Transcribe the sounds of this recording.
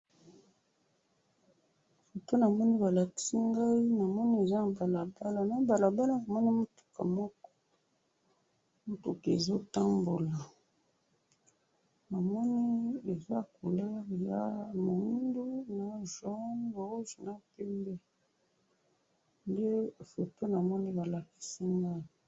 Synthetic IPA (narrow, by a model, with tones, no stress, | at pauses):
fo˨to˦na˨mɔ˦ni˦ba˨la˨ki̥˦si˦ŋɡa˦i˦na˨mɔ˦ni˦e˨za˦na˨ba˨la˨ba˦la˨na˦ba˨la˨ba˦la˦˨a˨mɔ˦ni˦mo˦tu̥˨ka̰˨mɔ˦kɔ̥˦ | mo˦tu˨ke˨zo˦ta˦mbo˨la˨ | na˨mɔ˦ni˦e˨za˦ko˨lɛ˦ʁja˨mo˨u˦ndu˦na˨ʒɔ˦no˨o˦ʒu˨na˨pi˦mbe˦ | nde˦˨fɛ˨pe˦na˨mɔ˦ni˦ba˨la˨ki̥˨si˦ŋɡa˦i˦